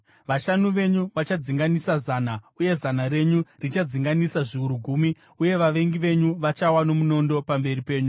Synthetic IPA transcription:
ʋaʃanuʋe̞ɲuʋat͡ʃad͡ziŋɡanisazaːnauje̞zanare̞ɲurit͡ʃad͡ziŋɡanisaʐiuɾuɡʱuːmi | uje̞ʋaʋe̞ŋɡiʋe̞ɲuʋat͡ʃawano̞muno̞ndo̞pambe̞ripe̞ːɲu

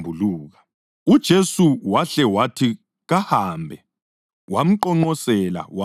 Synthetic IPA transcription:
bʱuluːɣa | ud̥ʒ̥ʱesuwaɬɛwatʰi | ɣahaːmbʱɛ | wam̩ǃɔŋ͡ǃɔsɛla̰wa

